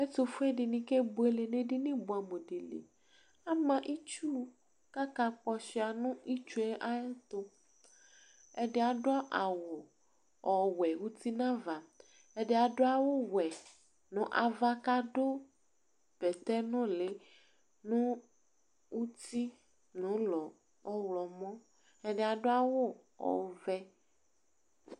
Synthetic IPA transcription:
ɛ˦t̪ʊ˨fʊ˦ɛ˦dɪ˨nĩ˦ke˦bo˨˦e˦le˨nẽ˦ɖɪ˦nɪ̃˦bʊ˨a˨mo˨di˨lḛ˨ | a˦mã˦ʔi˦t͡ʃu˦ | ka˦ka˨k͡pɔ˦sɪ˨a˨nʊ̃˦i˦t͡ʃu˦ɛ˦ʔa˦ɛ˦t̪ʊ˦ | ɛ˦ɖɪ˦a˨dʊ˦a˦ʔa˨wʊ˨ | ɔ˨wɛ˨wu˦t̪i˦nã˦va˨ | e˦ɖe˦a˨ɖo˦a˦wo˦wɛ˨ | nɔ̃˨ʔa˨va˦ka˦ɖo˦ | pɛ˨t̪ɛ˦nɔ̃˦le˨ | nũ˦ | wu˦t̪i˦ | nũ˨˦lɔ˨ | ɔ˦wlɔ˨mɔ̃˦ | e˦ɖe˦a˨ɖo˦a˦wo˦ | ɔ̰˨vɛ˦

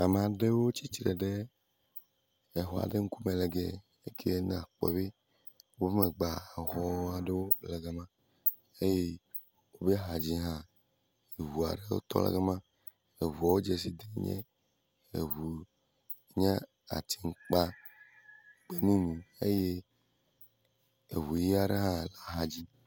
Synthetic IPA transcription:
a˨mẽ˨a˨ɖe˦wo˦t͡ɕi˦t͡ʃɾɛ˨ɖe˦˨ | ɦɔ˨a̰˨ɖe˦ŋ̩˦ku˦mẽ˨lɛ˨ɡɛ˨ | e˦kʰe˦ñ˨a˨k͡pɔ̰˨βe˦ | wo˦be˦me˨ɡ͡ba˨a˨xɔ˨˦a˨ɖe˦wo˦lɛ˨ɡe˦mã˦ | e˦je˦ | wo˦be˦ɦa˨d͡ʑi˦ɦã˦ | e˨ɦu˨a̰˨ɖe˦wo̰˦t̪ɔ̰˦lɛ̰˦ɡe˦mã˦ | e˨βu˨ɔ˨wo˦d͡ʒe˨s̬i˦d̪e˨ɲɛ̰̃˦ | ḛ˨βu˨ | ɲã˦ | a̰˨t̪ʰi˨ŋ̩˦k͡pa˦˨ | k͡pe˦mĩ˦nũ˨e˦je˦ | e˨βu˨ji˦a˨ɖe˦ɦã˦˨la˦ɦa˨d͡ʑi˦

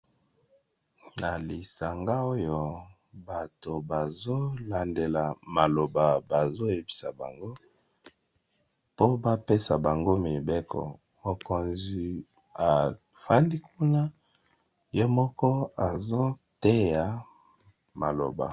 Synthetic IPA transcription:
na˨li˨sa˨ŋɡa˦o˦jo˨ | ba˨to˨ba˨zo˦la˨nde˨la˨ma˨lo˨ba˨ba˨zo˦e˨pi̥˨sa̰˨ba̰˨ŋɡo˦ | po˦ba˦pe˦sa˨ba˨ŋɡo˦me˨be˦kʰɔ̰˨ | mo˨ko˨nzi˨ | a˨ | fa˦ndi˦ku˦na˦ | jo˦mɔ˦kɔ˦a˨zo˦te˦ja˨˦ | ma˨lo̰˨ba̰˨

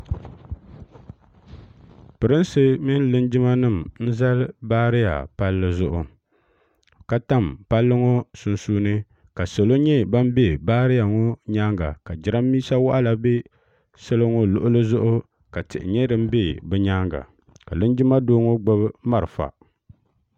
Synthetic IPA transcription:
pɨ˨ɾɨ˦nsɨ˦mɪ˦n˦lɨ˦nd͡ʒɪ˦ma˦nɨ˦˨mn̩˦za˦lbaː˦ɾɪ˦ja̰˨pa˦lːɨ˦zʊ˦ʔʊ˨ | ka˦ta˦˨mpa˦lːɨ˦ŋo˦sʊ˨nsuː˦nɨ˦ | ka˨sɨ˨lo˦ɲɛ˦ba˦m˦be˦˨baː˦ɾɪ˦ja˨ŋɔ˦ɲaː˦ŋɡa̰˨ka˨d͡ʒɪ˨ɾa˦mːiː˦sa˦wa˦ʔa˦la˨be˦ | sɨ˦lɨ˦ŋo˦lʊ˦ʔʊ˦lɨ˦zʊ˦ʔʊ˦ | ka˨tɪ̰˨ʔɪ̰˨ɲɛ˦dɨ˦m̩˦be˦bɨ˦ɲaː˦ŋɡa̰˨ | ka˨lɨ˦nd͡ʒɪ˦ma˦doː˦ŋo˦ɡ͡bʊ˦bma˦ɾɨ˨fa̰˨

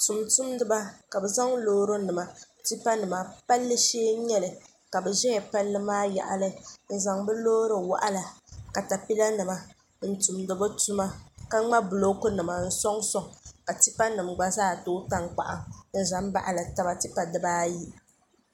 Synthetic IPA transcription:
tu˨mtu˦mdɨ˨ba˦ka˨bɛ˨za˦ŋloː˦ɾo˦nɨ˨ma˨ | ti˦pa˦nɨ˨ma˨pa˦lːɨ˦ʃeː˦ɲɛ˦lɨ˨ | ka˨bɛ˨ʒɛ˦jɛ˨pa˦lːɨ˦maː˦ja̰˨ʔa̰˨lɨ˦n̩˦˨za˨ŋbɛ˦loː˦ɾɨ˨wa̰˦˨ʔa˦la˨ka˨ta˨pi˦la˦nɨ˨ma˨ | n̩˦˨tu˨mdɨ˨bo˦tu˦ma˦ka˦ŋ͡ma˦bʊ˨lo˦kʊ˦nɨ˨ma˨n̩˦sɔ˦ŋsɔ˨ŋka˨ti˦pa˦nɨ˨m̩ɡ͡ba˦zaː˦˨toː˦ta˦ŋk͡pa̰˨ʔa̰˨n̩˦za˨mba̰˦ʔa˨la˨ta˦ba˦ti˦pa˨dɨ˨ba˦ji˦

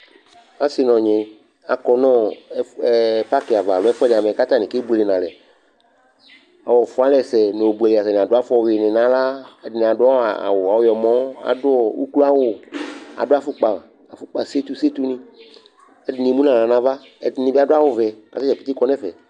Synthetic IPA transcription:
a˦si˨nɔ̃˨ɲẽ˨ | a̰˨kɔ˨nɔ̃˦ | pa˦ke˨a˨va˨lo˨˦ɛ˦fɔ˦ɖe˨a˨mẽ˨ka˦t̪ã˦nĩ˨ke˦bu˦e˨le˨nã˨lɛ˨ | a̰˨wɔ˨fo˦a˦lɛ˦˨sɛ˨nẽ˨wo˨bu˨e˨le˨a˨sɛ˨n˨ã˨do˦a˦fɔ˦˨we˨nẽ˨nã˨la˦di˨n˨ã˨dʊ˦a˦wa̰˨wo˨a˨wo˦jɔ˨mɔ̃˦a̰˨do˦ɔ˨wṵ˦klu˦a˦wo˨a̰˨do˦a˨fu˦k͡pa˨ | a˨fu˦k͡pa˨se˦t̪u˦se˦t̪u˦nĩ˦ | e˦di˦nĩ˨mũ˦nã˨nã˨nã˨va˦ | e˦dnĩ˦bi˦a˦do˦a˦wo˦vɛ˨a̰˨se˦t͡ʃɛ˨pi˦t̪i˦kɔ˦nɛ̃˦fɛ̰˨

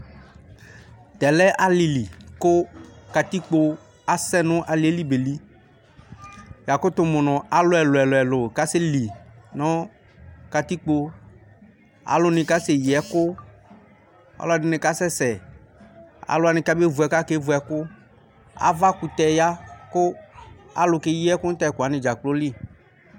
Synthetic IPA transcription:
t̪ɛ˨lɛ˦ʔa˨li˨li˨kʊ˦ka˨t̪i˦k͡po˧ | a˨sɛ˦nʊ̃˦ʔa˨li˨˦e˦li˦be˨li˦ | ja˨kʊ˦t̪ʊ˨mʊ˨nɔ̃˨a˨lʊ˦ɛ˨lʊ˨ɛ˨lʊ˨ɛ˨lʊ˨ka˦sɪ˦li˨nɔ̃˦ | ka˨t̪i˦k͡po˦ | a̰˨lʊ˦nɪ̃˨ka˦se˨jɛ˨kʊ˦ | a̰˦la˦˨ɖɪ˦nɪ̃˨ka˦sɛ˦sɛ˨ | a̰˨lʊ˦a˨nɪ̃˨ka˦be˦vu˨ɛ˨ka˦ke˦vu˨˦ɛ˨kʊ˦ | a̰˨va˦ku˨t̪ɛ˨ja˦kʊ˦a̰˨lʊ˨ke˦ji˦ɛ˦kʊ˦t̪a˦˨kʊ˨a˨˦nɪ̃˨d͡ʒa˨k͡plʊ˦li˦

